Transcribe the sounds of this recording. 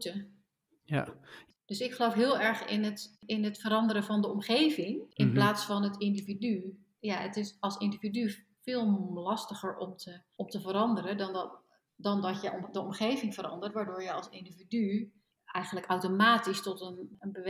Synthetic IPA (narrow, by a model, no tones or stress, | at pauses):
tə | d̥øsɪkχəlowfɦɪːlˠɛɹχɪ̰nətɪnətfəɾɑndəɾəvɔndəɔmχeːvɪŋʔɪnplaːtsfɔnətɪndividy | jaə̰tɪsɔlˠsɪndividy | fɪːlˠlɑstəχəɹɔmtʰəʔɔmtəvəɾɑndəɾədn | dɔndɔtjədəɔmχejvɪŋvəɾɑ̰ndəɹtʋaːɹdʊːɹjəɑlˠsɪndividy | ɛjɣənləkawtomaːtistɔtənənbə